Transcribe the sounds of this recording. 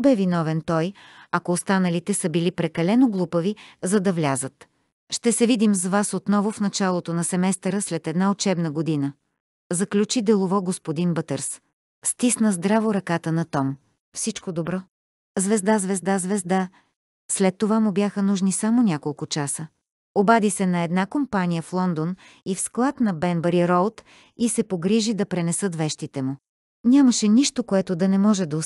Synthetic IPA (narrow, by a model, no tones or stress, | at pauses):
bɛvinɔvɛnt̪ɔj | ɐkoːst̪anəlit̪ɛsəbilipɾɛkɐlɛnoɡlˠupəvizɐd̪ɐvlʲazət̪ | ʃt̪ɛsɛvid̪imzvasot̪nɔvʊfn̪ɐt͡ʃalˠot̪onɐsɛmɛst̪əɾəslɛt̪ɛd̪naot͡ʃɛbnəɡod̪inə | zɐklʲut͡ʃid̪ɛlˠovɔɡospod̪inbɤt̪əɾs | st̪isnəzd̪ɾavoɾɐkat̪ənɐt̪ɔm | fsit͡ʃkod̪obɾɔ | zvɛzd̪azvɛzd̪azvɛzd̪a | slɛt̪ːovamʊbʲjaxənuʒnisamonʲakolˠkʊt͡ʃasə | obad̪isɛnɐɛd̪nakompanijəflˠɔnd̪on | ifsklˠat̪nɐbɛnbəɾiɾɔlˠt̪ | isɛpoɡɾiʒid̪ɐpɾɛnɛsɤt̪vɛʃt̪it̪ɛmʊ | nʲamɐʃɛniʃt̪okoɛt̪od̪ɐnɛmɔʒɛd̪ɐo